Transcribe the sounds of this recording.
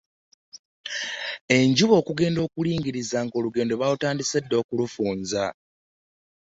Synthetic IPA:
e̞ɲɟuβo̞ːkuɡe̞ːndo̞ːkuliːŋɡiɾizaːŋɡo̞ːluɡe̞ːndo̞βalutaːndise̞dːo̞ːkulufuːnza

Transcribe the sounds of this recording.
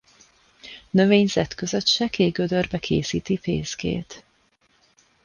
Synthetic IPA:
nø̞veːɲzɛt̪køzøt̪ʃɛkeːɡød̪ørbɛkʰeːsiːt̪ipḛːzɡḛːt̪

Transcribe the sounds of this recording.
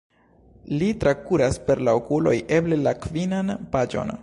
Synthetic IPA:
litɾakuɾaspe̞ɾlaokulo̞̰jʔe̞ble̞lakvinanpad͡ʒo̞̰n

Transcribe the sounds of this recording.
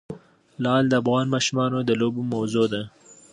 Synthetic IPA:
lɑld̪əafɣɑnmɑʃumɑnod̪əlobomawzod̪a

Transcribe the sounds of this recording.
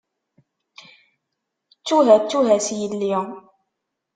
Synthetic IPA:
t͡sːuɦæt͡sːuɦæsjəlːi

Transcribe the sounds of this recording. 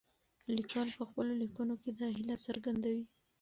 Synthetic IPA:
likwɑlpəxpəlolikunoked̪ɑɦhɪlasəɾɡand̪awi

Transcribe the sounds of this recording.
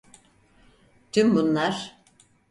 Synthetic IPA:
t̪ʰynbunlˠaɾ̥

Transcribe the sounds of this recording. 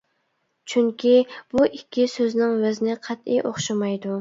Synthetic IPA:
t͡ʃʰyŋkʲʰib̥uʔikʲʰːisøznɪŋvɪzɪnɪqʰæt̪ḭjʔoχʃɑmɑjd̪u

